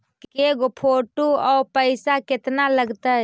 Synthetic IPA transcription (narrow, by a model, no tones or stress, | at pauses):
keɡopʰoːʈuɔːpəɪsakɪt̪naləɡt̪a